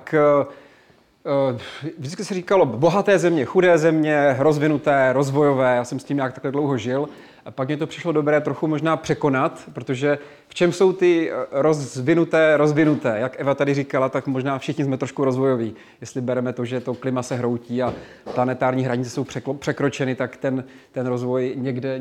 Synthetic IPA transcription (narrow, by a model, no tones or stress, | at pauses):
k | ʒdɪt͡skɪsɛriːkalo̞bo̞ɦat̪ɛːzɛmɲɛxudɛːzɛmɲɛɾo̞zvɪnut̪ɛːɾo̞zvo̞jo̞vɛːjaːsɛmscʲiːmɲaːk̚t̪ḁklɛdlowɦoʒɪl | pakmɲɛt̪o̞pr̥ɪʃlodobɾɛːt̪ɾo̞xumo̞ʒnaːpr̝̥ɛko̞nat̪pɾot̪oʒɛ | ft͡ʃɛmso̞wt̪ɪɾozvɪnut̪ɛːɾo̞zvɪnut̪ɛːjakʔɛvat̪adɪriːkalat̪akmoʒnaːfʃɪxɲɪzmɛt̪ɾoʃkuɾo̞zvojo̞viː | jjɛst̪lɪbɛɾɛmɛt̪o̞ʒɛt̪o̞klɪmasɛɦɾo̞wciːa | planɛt̪aːɾɲiːɦɾaɲɪt͡sɛ̥so̞wpr̥ɛkopr̝̥ɛkɾo̞t͡ʃɛnɪt̪akt̪ɛn | t̪ɛnɾo̞zvo̞jɲɛɡdɛ